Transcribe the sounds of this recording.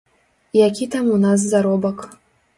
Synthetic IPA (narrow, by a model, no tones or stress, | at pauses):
jakʲit̪amunas̬ːaɾɔbək